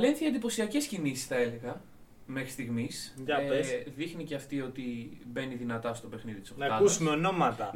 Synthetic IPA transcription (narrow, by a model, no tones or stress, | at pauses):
ɐlenθiɐnd̪ipo̞siɐce̞scinisi̥sθɐe̞le̞ɣɐ | me̞xɾist̪iɣmiseðixnice̞ɐft̪io̞t̪ibe̞niðinɐt̪ɐst̪o̞pe̞xniðit̪isonɐɐusumeo̞no̞mɐt̪ɐ